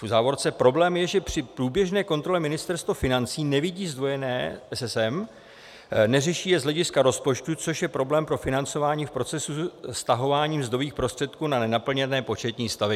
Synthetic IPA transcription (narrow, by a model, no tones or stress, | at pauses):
fuzaːvo̞ɾt͡sɛpɾo̞blɛːmjɛʒɛpr̝̥ɪpɾuːbjɛʒnɛːko̞nt̪ɾo̞lɛmɪnɪst̪ɛɾst̪vofɪnant͡siːnɛvɪɟiːzd̪vo̞jɛnɛːʔɛsɛsɛm | nɛrɛʃiːjɛzɦlɛɟɪskaɾo̞spo̞t͡ʃt̪ut͡so̞ʃjɛpɾo̞blɛːmpɾo̞fɪnant͡so̞vaːɲiːfpɾo̞t͡sɛsust̪aɦo̞vaːɲiːmzd̪oviːxpɾo̞st̪r̥ɛt̪kuːnanɛnapl̩ɲɛnɛːpo̞t͡ʃɛt̪ɲiːst̪avɛ